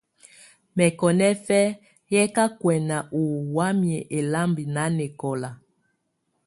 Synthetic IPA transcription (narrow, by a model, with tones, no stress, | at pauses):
mɛ˨kɔ˨nɛ˦fɛ˦ | jɛ˦ka˦kwɛ˨na˨ʔu˨wa˦mjɛ˨ʔe˨la˦mbi˨na˨˦ne˨kɔ˨la˨